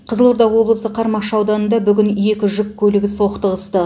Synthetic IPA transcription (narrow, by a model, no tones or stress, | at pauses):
qʰəzəlˠoɾd̪ɑʁwo̞blˠəsəqʰɑɾmɑqʃɑwd̪ɑnənd̪ɑbʏɡʲɪnje̞kʲɪʒʏkkʲʰːɵlɪɡʲɪso̞qt̪əʁəst̪ə